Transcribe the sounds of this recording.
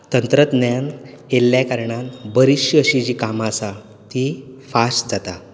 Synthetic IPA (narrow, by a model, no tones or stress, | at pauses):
t̪ənt̪ɾət̪njan | elːjakaɾɳanbəɾiɕjəəɕid͡ʑiːkamasa | t̪ifasʈd͡zat̪a